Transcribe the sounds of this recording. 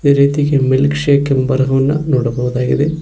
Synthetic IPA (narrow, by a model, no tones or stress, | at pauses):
eːɾiːt̪iɡemilkʂekːembɐɾɦɐʋɐnːɐnoːɽɐbɐʋud̪aːɡid̪e